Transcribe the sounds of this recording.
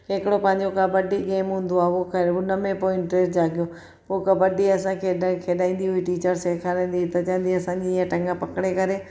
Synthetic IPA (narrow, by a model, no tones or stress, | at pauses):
ekɪɽopə̃ɦɪ̃ɲd͡ʑokabəɖiɡeːmɦũːnd̪oaːokʰeonəmẽpoːɪɳʈɾeːd͡ʒaːɡɪjoː | okɐbɐɖiɐsãːkʰekʰeːɗaːĩːn̆d̪iɦʊiʈiːt͡ɕəɾsekʰaːɾ̃ːnd̪it̪ɐt͡ʃãːnd̪iɐsãːd͡ʑiãʈɐ̃ŋɡãpɐkɽekɐɾeː